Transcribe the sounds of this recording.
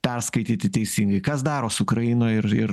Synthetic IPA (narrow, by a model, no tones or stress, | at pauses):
pʲɛrskɐɪt̪ʲiːt̪ʲɪt̪ʲɛɪsʲiŋɡɐɪkɐsd̪ɑːɾoːsʊkɾɐjɪnoːɪɾɪɾ